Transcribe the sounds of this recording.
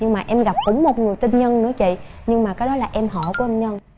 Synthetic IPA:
ɲɨ˧ŋmaː˨˩ʔɛ˧mɣa˨˩p̚kɨ˨˦ŋmo˨˩t̚ŋɨ˨˩əjt̪i˧nɲə˧nnɨ̰˧˥ət͡ɕḭ˧˨ | ɲɨ˧ŋmaː˨˩kaː˨˦jɗɔ˨˦laː˨˩ʔɛ˧mɦɔ̰˧˩˨ku˧˩˦ɲə˧n

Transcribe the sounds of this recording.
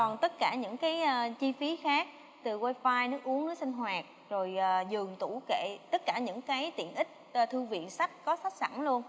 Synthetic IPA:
kɔ˨˩nt̪ə˦˥t̚kaː˧˩ɲɨ̰˧˥ŋkaː˨˦jʔaː˧˩t͡ɕi˧fi˨˦xaː˦˥k̚ | t̪ɨ˨˩waː˧jfaː˧jnɨ˨˦ʔu˨˦əŋnɨ˨˦si˧ŋ̟ɦwaː˨˩k̚ | zo˨˩jʔəː˨˩zɨ˨˩əŋt̪u˧˩kḛ˧˨t̪ə˦˥t̚kaː˧˩ɲɨ̰˧˥ŋkaː˨˦jt̪ḭ˧˨ənʔï˦˥k̟̚ːt̪ʰɨ˧vḭ˧˨ənsa˦˥k̟̚kɔ˨˦sa˦˥jk̚sa̰˧˩nlu˧ən

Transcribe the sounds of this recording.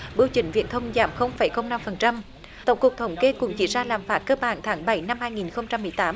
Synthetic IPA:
ɓi˧wt͡ɕï˧˩ŋ̟vḭ˧˨˥nt̪ʰə˧wŋ͡mza̰ː˧˩mxə˧wŋ͡mfa˨˧˩jxə˧wŋ͡mna˧mfə˨˩nt͡ɕa˧m | t̪ə̰˨˧˩wŋ͡mku˨˩k̚t̪ʰə˨˩˦wŋ͡mke˧kʊ̰˧˩˦ŋ͡mt͡ɕḭ˧˩zaː˧laː˨˩mfaː˨˦˥t̚kəː˧ɓaː˧˩nt̪ʰaː˨˦ŋɓa˧˩jna˧mhaː˧jŋi˨˩nxə˧wŋ͡mt͡ɕa˧mːɨ˨˩əjt̪aː˨˦m

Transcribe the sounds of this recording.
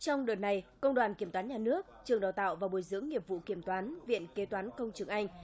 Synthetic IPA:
t͡ɕɔ˧wŋ͡mɗəː˨˩nːa˧jkə˧wŋ͡mɗwaː˨˩nki˧˩əmt̪waː˨˦nɲaː˨˩nɨ˦˥ək̚t͡ɕɨ˨˩əŋɗaː˨˩wt̪a̰ː˧˨wvaː˨˩ɓu˨˧˩jzɨ̰˧˥əŋːi˨˩əp̚vṵ˧˨ki˧˩əmt̪waː˨˦nvḭ˧˨ənke˨˦t̪waː˨˦nkə˧wŋ͡mt͡ɕɨ˨˩əŋʔa˧jŋ̟

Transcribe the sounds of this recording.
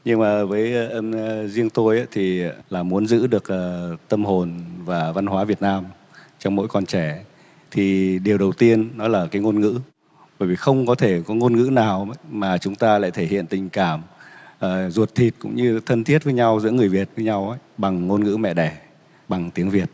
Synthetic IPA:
ɲɨ˧ŋmaː˨˩ʔvəː˨˦jzi˧əŋt̪o˧jʔaː˧˦t̪ʰi˨˩˨laː˨˩mu˨˦ənzɨ̰˧˥ɗɨ˨˩ək̚ʔəː˨˩t̪ə˧mho˨˩nvaː˨˩va˧nhwaː˨˦vi˨˩ət̚naː˧m | t͡ɕɔ˧wŋ͡mmo̰˧˥jkɔ˧nt͡ɕɛ˧˩ | t̪ʰi˨˩ɗe˨˩əwɗə˨˩wt̪i˧ənːɔ˨˦laː˨˩kaː˨˦jŋo˧nŋɨ̰˧˥ | ɓəː˧˩jvi˨˩xə˧wŋ͡mkɔ˨˦t̪ʰe˧˩kɔ˨˦ŋo˧nŋɨ̰˧˥naː˨˩wmaː˨˩t͡ɕʊ˨˦ŋ͡mt̪aː˧la̰ː˧˨jt̪ʰe˧˩hḭ˧˨ənt̪ï˨˩ŋ̟kaː˧˩mʔəː˨˩zu˨˩ət̚t̪ʰi˨˩t̚kʊ̰˧˥ŋ͡mɲɨ˧t̪ʰə˧nt̪ʰi˦˥ət̚vəː˨˦jɲa˧wzɨ̰˧˥əŋɨ˨˩əjvi˨˩ət̚vəː˨˦jɲa˧wʔa˧˦jɓa˨˩ŋːo˧nŋɨ̰˧˥mɛ̰˧˨ɗɛ˧˩ | ɓa˨˩ŋt̪i˨˦əŋvi˨˩ət̚

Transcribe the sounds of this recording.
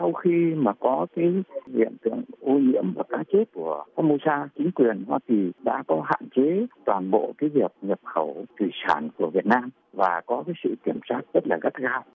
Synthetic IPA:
sa˧wxi˧maː˨˩kɔ˨˦kaː˨˦jlḭ˧˨ənt̪ɨ̰˧˨əŋʔu˧ɲḭ˧˥əmvaː˨˩kaː˨˦˥k̚t͡ɕe˦˥t̚ku˧˩əfaː˧mo˧saː˧t͡ɕï˨˦ŋ̟kwi˨˩ənhwaː˧ki˨˩ɗa̰ː˧˥kɔ˨˦ɦa̰ː˧˨nt͡ɕe˨˦t̪waː˨˩nɓo̰˧˨kaː˨˦jvi˨˩əp̚ɲə˨˩p̚xə˧˩wt̪wi˧˩saː˧˩nku˧˩əvi˨˩ət̚naː˧m | vaː˨˩kɔ˨˦kaː˨˦jsɨ̰˧˨ki˧˩əmsaː˦˥t̚z̥ə˦˥t̚laː˨˩ɣə˦˥t̚ɣaː˧w

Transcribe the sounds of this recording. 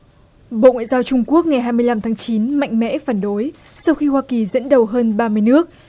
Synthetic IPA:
ɓo̰˧˨ŋwa̰ː˧˨zaː˧wt͡ɕʊ˧ŋ͡mku˦˥ək̚ŋa˨˩jɦaː˧jmɨ˧əjla˧mt̪ʰaː˨˦ŋt͡ɕi˨˦nma̰˧˨jŋ̟mɛ̰˧˥faː˧˩nɗo˨˦j | sa˧wxi˧hwaː˧ki˨˩zə̰˧˥nɗə˨˩wɦəː˧nɓaː˧mɨ˧əjnɨ˦˥ək̚

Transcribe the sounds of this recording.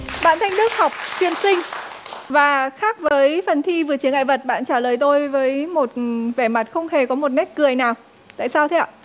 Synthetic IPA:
ɓa̰ː˧˨nt̪ʰa˧jŋ̟ɗɨ˦˥ək̚hɔ˨˩wk͡p̚t͡ɕwi˨˩ənsï˧ŋ̟vaː˨˩xaː˦˥k̚vəː˨˦jfə˨˩nt̪ʰi˧vɨ˨˩ət͡ɕi˨˦əŋa̰ː˧˨jvə˨˩t̚ɓa̰ː˧˨nt͡ɕaː˧˩ləː˨˩jt̪o˧jvəː˨˦jmo˨˩t̚vɛ˧˩ma˨˩t̚xə˧wŋ͡mhe˨˩kɔ˨˦mo˨˩t̚nɛ˦˥t̚kɨ˨˩əjnaː˨˩w | t̪a̰ː˧˨jsaː˧wt̪ʰɛ˧˨

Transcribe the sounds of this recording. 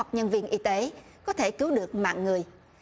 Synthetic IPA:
wk͡p̚ɲə˧nvi˧ənʔi˧t̪e˨˦kɔ˨˦t̪ʰe˧˩kɨ˨˦wɗɨ˨˩ək̚ma̰ː˧˨nŋɨ˨˩əj

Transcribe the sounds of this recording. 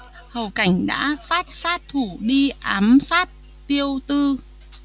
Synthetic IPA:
hə˨˩wka˧˩jŋ̟ɗa̰ː˧˥faː˦˥t̚saː˦˥t̚t̪ʰu˧˩ɗi˧ʔaː˨˦msaː˦˥t̚ | t̪i˧əwt̪ɨ˧

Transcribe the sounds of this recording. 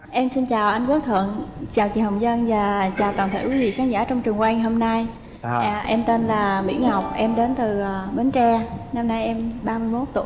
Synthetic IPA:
ʔɛ˧msi˧nt͡ɕaː˨˩wʔa˧jŋ̟ku˦˥k̚t̪ʰə̰˧˨əŋt͡ɕaː˨˩wt͡ɕḭ˨˧˩ɦə˨˩wŋ͡m̚zə˧nvaː˨˩t͡ɕaː˨˩wt̪aː˨˩nt̪ʰḛ˧˥˩wi˨˦vḭ˧˨˩xaː˨˦ŋzaː˧˩t͡ɕɔ˧wŋ͡mt͡ɕɨ˨˩əŋkwa˧jŋɦo˧mna˧j | ʔɛ˧mt̪e˧nlaː˨˩ɓḭ˧˩ənha˨˩wk͡p̚ʔɛ˧mɗe˨˦nt̪ɨ˨˩˨ɓe˨˦nt͡ɕɛ˧na˧mna˧jʔɛ˧mɓaː˧mɨ˧əjmo˨˦˥t̚t̪ṵ˧˨

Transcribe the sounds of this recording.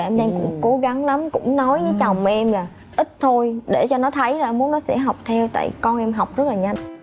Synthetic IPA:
ʔɛ˧mɗɛ˧mkʊ̰˧˥ŋ͡mko˨˦ɣa˨˦ŋla˨˦mkʊ̰˧˥ŋ͡mnɔ˨˦jvəː˨˦t͡ɕa˨˩wŋ͡mʔɛ˧mlaː˨˩ | ʔï˦˥t̚t̪ʰo˧jɗe˧˩t͡ɕɔ˧nɔ˨˦t̪ʰə˨˦jlaː˨˩ʔmu˨˦nɔ˨˦sɛ̰˧˥ɦa˨˩wk͡p̚t̪ʰɛ˧wt̪a̰ː˧˨jkɔ˧nʔɛ˧mɦa˨˩wk͡p̚zə˦˥t̚laː˨˩ɲa˧n

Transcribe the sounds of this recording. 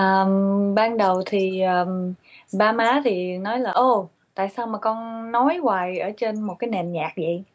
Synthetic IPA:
ʔəː˨˩mɓaː˧nɗə˨˩wt̪ʰi˨˩ʔəː˨˩mɓaː˧maː˨˦t̪ʰi˨˩nɔ˨˦jlaː˨˩ʔo˧˩ | t̪a̰ː˧˨jsaː˧wmaː˨˩kɔ˧nːɔ˨˦jwaː˨˩jʔəː˧˩t͡ɕe˧nmo˨˩t̚kaː˨˦jnɛ˨˩mɲaː˨˩k̚zə̰˨˦j

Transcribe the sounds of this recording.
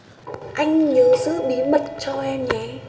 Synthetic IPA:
ʔa˧jŋ̟ɲəː˨˦zɨ̰˧˥ɓi˨˦mə˨˩t̚t͡ɕɔ˧ʔɛ˧mɲɛ˨˦

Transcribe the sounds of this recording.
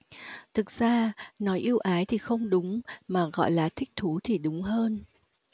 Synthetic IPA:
t̪ʰɨ˨˩k̚z̥aː˧nɔ˨˦jʔi˧əwʔaː˨˦jt̪ʰi˨˩xə˧wŋ͡mɗʊ˨˦ŋ͡mmaː˨˩ɣɔ̰˧˨jlaː˨˩t̪ʰï˦˥k̟̚t̪ʰu˨˦t̪ʰi˨˩ɗʊ˨˦ŋ͡mɦəː˧n

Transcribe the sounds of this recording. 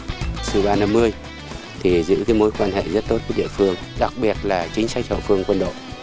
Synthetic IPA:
sɨ̰˧˩ɓaː˧na˧mːɨ˧əj | t̪ʰi˨˩zɨ̰˧˥kaː˨˦jmo˨˦jkwaː˧nhḛ˧˨zə˦˥t̚t̪o˦˥t̚ku˨˦ɗḭ˧˨əfɨ˧əŋ | ɗa˨˩k̚ɓi˨˩ət̚laː˨˩t͡ɕï˨˦ŋ̟sa˦˥k̚hə̰˧˨fɨ˧əŋkwə˧nɗo̰˧˨

